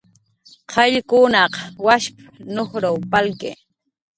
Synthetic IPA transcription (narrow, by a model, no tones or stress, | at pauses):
qʰɑʎkʊnɑqɑwaʃpḁnoχɾawpalkḛː